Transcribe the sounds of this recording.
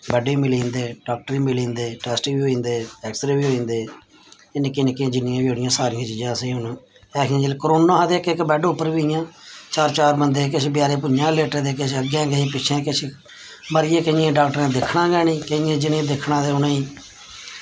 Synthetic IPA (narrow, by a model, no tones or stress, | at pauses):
bɛɖeːmɪlĩːnd̪eːɖaːk̚ʈɾiːmɪlĩːnd̪eːʈɛːsʈiːʋiːɦoːĩːnd̪eːɛːksɾeːʋiːɦoːĩːnd̪eː | ɪnɪkːeːnɪkːẽːd͡ʒɪnɪjãːbiːɦoːɽɪjãːsaːɾɪjãːt͡ʃiːd͡ʒãːəsĩːʊnũː | ɛːkʰjãːd͡ʒelkɾoːnãːɦd̪eːkɪkbɛːɖʊpːəɾʋiːɪjãːt͡ʃaːɾt͡ʃaːɾbənd̪eːk̬ɪt͡ʃʰbɪjaːɾeːp̬ʊãːleːʈəd̪eːk̬ɪt͡ʃʰəɡjãːɡəĩːpɪt͡ʃʰẽːkɪt͡ʃʰ | məɾɪjeːkəɪ̃jãːɖaːk̚ʈəɾẽːd̪ɪkʰɳãːɡɛːnĩːkəɪjẽːd͡ʒɪnẽːd̪ɪkʰɳãːd̪eːʊnãːĩː